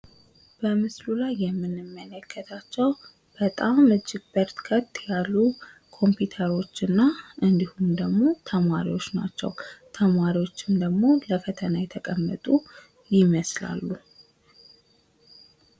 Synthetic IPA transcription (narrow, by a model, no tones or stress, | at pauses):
b̥əmɨslulajːɛmːɨnɨmːələkʰːət̪ʰat͡ʃːɛw | b̥ət̪ʼamɨd͡ʒːɪɡ̚bəɾt̪kʰət̪ʼːjalːu | kʰo̞mpjut̪ʰəɾo̞t͡ʃːɨnːaʔɨnd̪ihumd̪əɡmo̞t̪ʰəmaɾiwo̞t͡ʃːna̰t͡ʃːɛ̰wt̪ʰəmaɾiwo̞t͡ʃːɪmd̪əɡmo̞ləfət̪ʰənajɛt̪ʰəkʼəmːət̪ʼu | jɪməsla̰lːu